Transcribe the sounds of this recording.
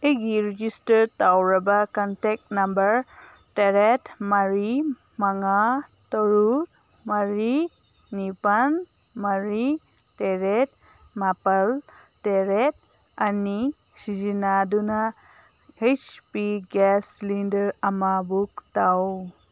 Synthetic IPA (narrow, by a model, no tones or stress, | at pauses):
eɡiɾid͡ʒistəɾtawɾabakɔntɛk̚tnambəɾ | teɾetmaɾi | maŋatɔɾu | maɾi | nipan | maɾi | teɾet̚ | mapalteɾet̚ | ani | sid͡ʒinaduna | et͡ʃpiɡɛslindəɾamabuk̚taw